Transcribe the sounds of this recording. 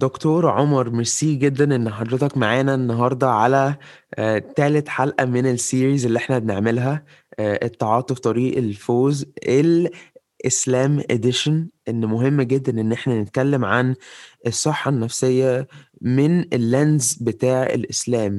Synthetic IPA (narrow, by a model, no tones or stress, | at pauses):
d̪okt̪oːɾˤʕomɑɾˤmeɾsiːɡed̪ːænʔenːħɑd̪ɾɑt̪ɑkmaʕaːnæʔenːɑɦɑɾˤd̪ˤɑʕalæ | t̪æːlet̪ħalʔæmenelsiːɾiːzelːiʔeħnæbeneʕmelɦæ | ʔet̪ˤːɑʕɑːt̪ˤift̪ˤɑɾiːʔelfoːzʔel | ʔeslæːmʔḛd̪eʃænʔenːmoɦemːɡed̪ːænʔenːʔeħnænet̪̚kælːemʕanʔesˤːɑħːɑnːæfsejːæ | menelːænzbet̪aːʕḛlʔḛslæːm